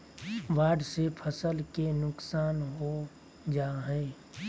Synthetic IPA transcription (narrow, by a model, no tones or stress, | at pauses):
ʋaːɖsepʰəsəlkenʊksaːnɦo | d͡ʒaːɦɛ̃ː